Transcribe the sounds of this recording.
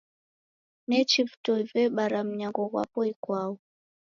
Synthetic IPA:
nɛt͡ʃivutɔivɛɓaɾam̩ɲaŋɡɔɣwa̰pɔikwaɔ

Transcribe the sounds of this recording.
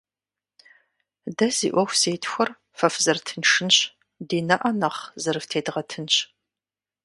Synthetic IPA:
dɐzḭːʔʷɔxʷseːtʰxʷɔr | fɐfzɐrtʰɨnʂɨnɕ | diːnɐʔɐnɐχzɨrɨftʰeːdʁɐtʰɨnɕ

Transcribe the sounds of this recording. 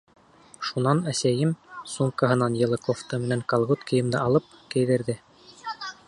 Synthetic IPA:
ʃunɑnæsæjɘmsuŋkɑɦɤ̆nɑnjɤ̆lˠɤkoft̪ɤmɘ̆næŋkɑlˠʁut̪kɤ̆jɤ̆md̪ɤʔɑlˠɤp̚kæ̆jðɘ̆ɾðɘ

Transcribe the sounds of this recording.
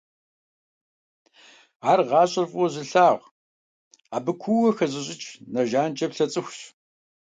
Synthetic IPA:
aːrʁɑːɕʼɪrfʼwɔzɪɬaːʁʷ | aːbɨkʷʰuwɐxɐʑɪɕ̬ʼɪt͡ʃʼnɐʒaːnt͡ʃʼɐpɬɐt͡sʼɨxʷɕ

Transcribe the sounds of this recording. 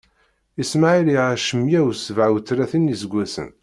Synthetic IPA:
ismaʕiliʕaʃəmjæwsəvʕwt͡sːɾæθinizəɡʷːæsə̰n

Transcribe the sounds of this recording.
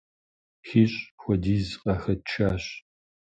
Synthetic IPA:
xiːɕʼxʷɔdiːzqʼɐxɐt͡ʃʰaːɕ

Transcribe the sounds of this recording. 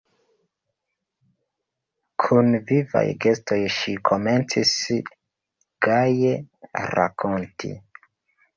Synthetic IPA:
kʰunviva̰jɡe̞sto̞jʃikʰo̞me̞nt͡sis | ɡ̥ajeɾa̰kʰo̞ntʰḭ

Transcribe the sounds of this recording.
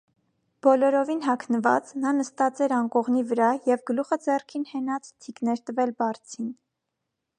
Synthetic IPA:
b̥ɔlɔɾɔvinɦɑkʰnəvɑ̰t͡snɑnəst̪ɑt͡sɛɾɑnkɔʁnivəɾɑjɛvɡəluχəd͡zɛrkʰinhɛnɑt͡st̪ʰiknɛɾt̪əvɛlbɑrt͡sʰin

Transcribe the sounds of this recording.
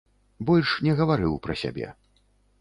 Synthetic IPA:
bɔlʲʂnʲɛɣɐvaɾɨwpɾɐsʲa̰bʲɛ̰

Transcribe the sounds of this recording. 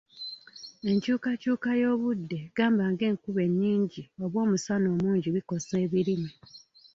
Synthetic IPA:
e̞ɲcuːkacuːkajo̞ːβudːe̞ɡaːmbaŋɡe̞ːŋkuβe̞ɲːiːɲɟio̞βwo̞ːmusano̞ːmuːɲɟiβiko̞se̞ːβiɾimi

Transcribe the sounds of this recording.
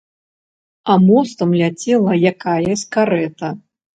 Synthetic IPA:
amɔst̪ɐmlʲat͡sʲɛlˠɐjakajɐsʲkaɾɛt̪ɐ

